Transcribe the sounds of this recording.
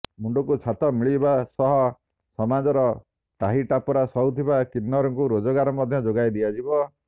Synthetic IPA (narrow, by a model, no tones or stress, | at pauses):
muɳɖɔkut͡ʃʰat̪ɔmiɭibasɔɦɔ | sɔmad͡ʒɔɾɔ | ʈaɦiʈapɔɾasɔwt̪ʰibakinːɔɾɔŋkuɾod͡ʒɔɡaɾɔmɔd̪ʱjɔd͡ʒoɡajd̪ijad͡ʒibɔ